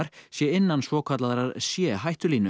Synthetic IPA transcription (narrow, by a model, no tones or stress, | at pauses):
aɾ̥sjɛɪnːansvɔːkʰat̪laðɾaɾsjɛːɦajht̪ʏliːnʏ